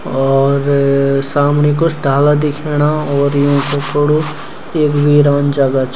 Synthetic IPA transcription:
ɔːɾsaːmnik̬osɖʱaːlad̪ɪkʰeːɽaɔːɾjɦõkopoɽu | eːkbʱiɾaːnd͡ʒəɡat͡ʃ

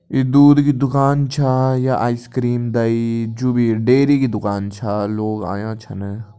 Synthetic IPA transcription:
id̪uːd̪kid̪ʊkaːnt͡ʃʰaːjaʔaːiskɾiːmd̪aid͡ʒuːbiɖeːɾikid̪ʊkaːnt͡ʃʰaːloːɡa̰ːjãːt͡ʃʰɐne

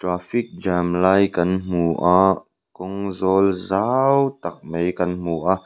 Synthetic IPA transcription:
tɾaːfik̚d͡ʒamlaːjkɐnm̥uːʔaː | kɔŋzɔːlzawt̪ɐk̚mejkɐnm̥uʔaːʔ

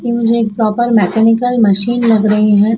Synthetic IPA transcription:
kimʊd͡ʒʱeeːk̚pɾɔːpəɾmɛːkɛːnɪkəlmɐʃiːnlɐɡɾɐɦiɦɛ̃ː

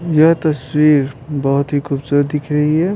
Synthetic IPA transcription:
jɐɦt̪ɐswiːɾbɐɦʊt̪ɦikubsuɾd̪ɪkʰɾɐɦiɦɛ

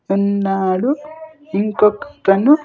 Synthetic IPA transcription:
unːaːɽu | iŋkokːɐ̥t̪ɐnu

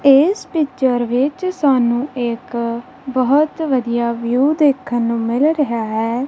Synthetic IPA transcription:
ɪspɪt͡ʃəɾʋɪt͡ʃsaːnũːɪk | bəɦt̪ʋəd̪ijaːʋjuːd̪eːkʰːənːũːmɪlɾəɦaːɛː

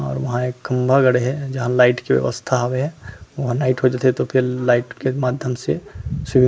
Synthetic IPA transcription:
ɔ̰ːɾʋɐɦãeːkːɐmbʱaɡɐɽeɦɛd͡ʒɐɦãlaːɪʈkiʋjɐ̰ʋə̰st̪ʰaɦaʋeɦɛ̃ʋɐɦãnaːɪʈɦod͡ʒaːt̪eɦɛt̪opʰɪɾlaːɪʈkemaːd̪ʱjəmsesʊbʱĩ

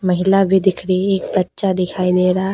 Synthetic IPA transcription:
məɦɪlabʱid̪ɪkʰɾieːkbətːʃad̪ɪkʰaːid̪eːɾaː

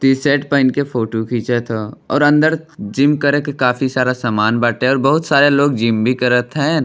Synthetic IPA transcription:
t̪iseːʈpãːɪnkepʰoːʈokʰiːt͡ʃet̪ʰoɔ̰ːɾɐ̃nd̪əɾd͡ʒɪmkəɾekekaːfisaːɾasaːmaːnbaːʈeɔːɾbəɦʊt̪saːɾeloːɡd͡ʒɪmbʱikəɾət̪ɦɛ̃

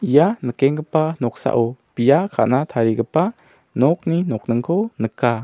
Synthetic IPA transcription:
ijanəkɛŋɡəpanɔksa̰ʔɔpijakʰa̰ʔnat̪ʰaɾiɡəpa | nɔk̚ninɔk̚nəŋkʰɔnəka

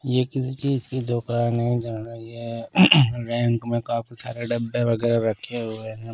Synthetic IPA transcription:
jekɪsit͡ʃiːzkid̪oːkaːnɐɦĩd͡ʒaːnaje | ɾɛ̃ːŋkmẽkãːfisa̰ːɾeɖɐbːeʋɐɡɛːɾaɾɐkʰeɦoenɛ̃

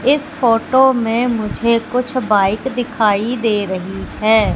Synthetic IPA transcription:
ɪspʰoːʈoːmẽːmʊd͡ʒʱeːkʊt͡ʃʰbaːɪkd̪ɪkʰaːid̪eːɾəɦiɦɛː

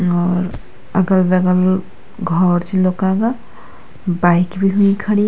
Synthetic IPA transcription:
ɔːɾ | əɡəlbeɡəl | ɡʱɔɾt͡ʃʰilokaɡa | baikbʱiɦuikʰəɽ̃i

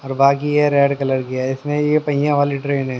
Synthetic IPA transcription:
ɔːɾbaːkijeɾɛːɖkɐləɾkɪjaɪsmẽjepɐɪjãʋaːlɪʈɾeːnɦɛ̃

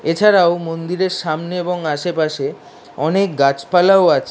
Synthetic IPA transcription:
et͡ɕʰaɾaomond̪iɾeɾʃamneeboŋaʃepaʃe | ɔnek̚ɡat͡ɕpalaoat͡ɕʰ

